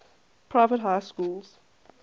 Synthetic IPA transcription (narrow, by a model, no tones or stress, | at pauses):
pʰɹ̥aɪvətɦaɪskuːlz̥